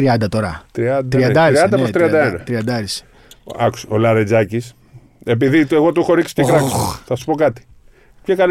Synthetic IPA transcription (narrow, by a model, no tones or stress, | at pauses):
ɾiɐnd̪ɐt̪o̞ɾɐt̪ɾiɐd̪ɾɾiɐnd̪ɐɾɾiɐnd̪ɐpot̪ɾiɐd̪ɐenɐt̪ɾiɐnd̪ɐɾis | ɐku̥solɐɾed͡zɐcis | e̞p̬iðiteɣot̪uxo̞ɾiksi̥t̪ekɾɐkθɐsu̥po̞kɐt̪i̥ | pçɐkɐl